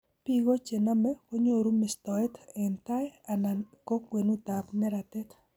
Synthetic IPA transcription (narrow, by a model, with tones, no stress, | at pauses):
pi˦ɡo˦t͡ʃe˨na˦mɛ˦ko˦ɲo˦ɾu˦mɪ˨st̪ɔ˨ɛ˦tɛ˨nta˦ɛ˦a˨na˨ko˦kwe˨nu˦t̪a˨pnɛ˦ɾa˨t̪ɛ˦t